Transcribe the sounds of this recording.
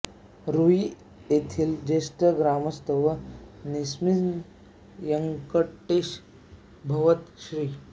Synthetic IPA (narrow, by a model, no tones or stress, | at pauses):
ɾui | jet̪ʰiːld͡ʑesʈəɡɾaməst̪əʋənismi | jəŋkəʈːeɕ | bʱɐʋət̪ɕɾiː